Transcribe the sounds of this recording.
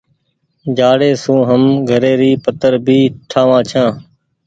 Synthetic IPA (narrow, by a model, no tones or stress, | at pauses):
d͡ʒaːɽeːsũːɦəmɡʱəɾeːɾiːpət̪əɾbʱiːʈʰaːʋãːt͡ʃʰãː